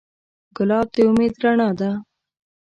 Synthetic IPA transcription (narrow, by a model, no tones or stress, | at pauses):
ɡʊlɑːb̚d̪eʊmeːd̪ɾaɳɑd̪a